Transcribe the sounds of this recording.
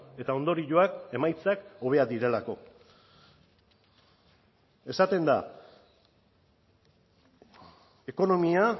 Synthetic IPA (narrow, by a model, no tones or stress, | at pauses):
e̞t̪ao̞nd̪o̞ɾiʎoake̞majt͡sako̞βe̞ad̪iɾe̞lako̞ | e̞sat̪e̞nd̪a̰ | e̞ko̞no̞mia